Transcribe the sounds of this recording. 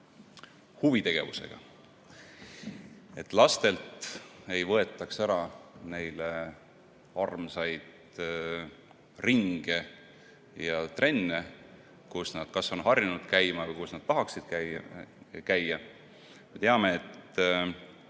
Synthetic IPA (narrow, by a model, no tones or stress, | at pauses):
huvit̪e̞ɡ̥e̞̰vusḛɡ̥ɑ̰ | e̞t̪ːˑlɑst̪e̞lt̪e̞jvɤ̞e̞t̪ːˑɑksæɾɑne̞jle | ɑrmsɑjd̪̥ | riŋɡ̥e | jɑt̪rʔe̞nːe̞ | kusnɑd̪̥kɑso̞nɦɑrjunud̪̥kæjmɑvɤjkusnɑd̪̥t̪ɑɦɑksid̪̥kæ | kæjːɑ | me̞t̪e̞ɑme̞ːt̪